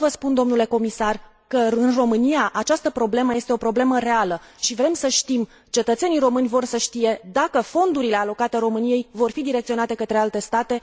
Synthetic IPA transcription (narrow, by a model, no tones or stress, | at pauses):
vəspund̪o̞mnule̞ko̞misar | kəɨnro̞mɨnijaʔat͡ʃast̪əpɾo̞ble̞məje̞st̪eo̞pɾo̞ble̞məɾe̞aləʃivɾe̞msəʃt̪im | t͡ʃe̞t̪ət̪se̞nijro̞mɨnʲvo̞rsəʃt̪ije̞d̪akəfo̞nd̪uɾile̞alo̞kat̪eɾo̞mɨnije̞jvo̞rfid̪iɾekt̪sio̞nat̪e̞kət̪ɾe̞alt̪e̞st̪at̪e̞